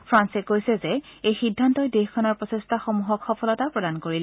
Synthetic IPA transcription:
pʰɹansɛkojsɛzɛ | ejxidʱːantɔjdexkʰɔnaɹpɹɔsestʰaxomuɦɔkxɔpʰɔlɔtapɹɔdankoɹil

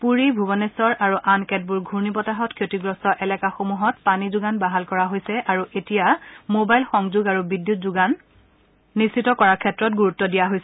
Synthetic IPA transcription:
puɹibʱubɔnesɔɹʔaɹuʔankɛt̚buɹɡʱuɹnipɔtaɦɔtkʰjotiɡɹɔstɔʔɛlɛkaxomuɦɔtpanizuɡanbaɦalkɔɹaɦojsɛʔaɹuʔetijamobajlxɔŋzuɡaɹubidjutzuɡanː | istːitɔkɔɹakʰɛtːɹɔt̚ɡuɹutːɔdijaɦojsɛ

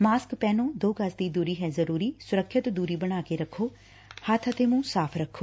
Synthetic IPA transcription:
maːskpɛːnõːd̪oːɡəsd̪iːd̪uːɾiːɦɛːzəɾuːɾiːsʊɾəkʰʃɪt̪d̪uːɾiːbəɽ̃aːkeːɾəkʰːoː | hət̪ʰət̪eːmũːsaːpʰɾəkʰːoː

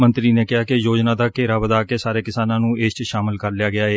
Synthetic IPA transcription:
mənt̪ɾiːnẽːkɪɦaːkɪjoːd͡ʒnãːd̪aːkeːɾaːbəd̪aːkeːsaːɾeːkɪsaːnãːnũːeːst͡ʃʃaːmɪlkəɾljaːɡɪaːeː

